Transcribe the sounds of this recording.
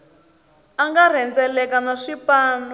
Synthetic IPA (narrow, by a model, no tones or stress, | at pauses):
aŋɡar̤ɛnd͡zɛlɛkanaʂipaːnɔ